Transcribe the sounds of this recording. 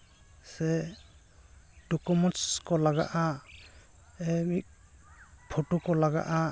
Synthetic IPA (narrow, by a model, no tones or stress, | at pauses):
sɛ | dɔkɔmɔnskɔlaɡa̰ʔa | ɛmik̚ | pʰoʈukɔlaɡa̰ʔa